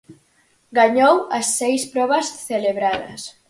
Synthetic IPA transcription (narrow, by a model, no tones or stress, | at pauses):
ɡaɲowɐsːejspɾɔβɐsθeleβɾaðɐ̰s